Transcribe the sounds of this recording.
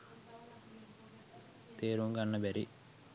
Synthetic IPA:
t̪eːɾuŋɡɐnːɐbɛɾi

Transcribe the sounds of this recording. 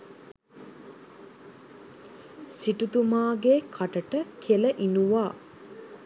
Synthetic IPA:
siʈut̪umaːɡeːkʰaʈəʈəkʰeləʔinuʋaː

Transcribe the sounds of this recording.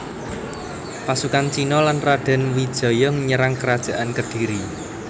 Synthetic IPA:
pasukant͡ʃinɔlanraɖ̥a̤nwid̥ʒ̥ɔ̤jɔŋəɲəɾaŋkəɾad̥ʒ̥a̤ʔankərd̥iɾi

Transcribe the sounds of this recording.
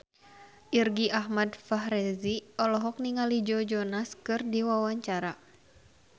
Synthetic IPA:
ʔirɡiʔaɦmadfaɦɾɛziɔlɔɦɔk̚niŋalid͡ʒɔd͡ʒɔnaskɨrdiwawaɲt͡ʃaɾa

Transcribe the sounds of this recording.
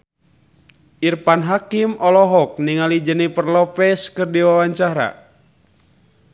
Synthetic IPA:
ʔirpanɦakimɔlɔɦɔk̚niŋalid͡ʒənipərlɔpɛskərdiwawaɲt͡ʃaɾa̰

